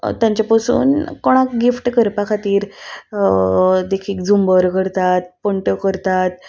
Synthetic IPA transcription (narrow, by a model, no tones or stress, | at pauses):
t̪jãɲt͡ɕapəsṵːnkoɽ̃akɡifʈkəɾpakʰat̪iːɾ | d̪ekʰiːk̚d͡zumbəɾkəɾt̪at̪̚pəɳʈəkəɾt̪at̪̚